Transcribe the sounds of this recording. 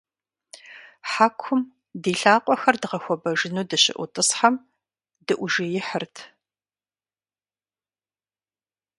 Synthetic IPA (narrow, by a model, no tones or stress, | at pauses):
ħaːkʷʰʊm | diːɬaːqʷʼɔxɐrdɨʁɐxʷɔbɐʒɪnuːdɨɕɪ̰ʔʷʊtʼɨsħam | dɨʔʷʒɪjɪħərtʰ